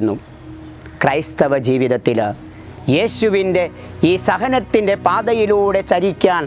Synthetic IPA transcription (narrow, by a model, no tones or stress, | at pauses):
nːu | krɐjst̪ɐʋɐd͡ʑiːʋiðɐt̪ːil | je̞ːɕuʋinde̞ | iːsɐɦɐnɐt̪ːinde̞paːd̪ɐjiluːɽe̞t͡ɕɐɾikʲːaːn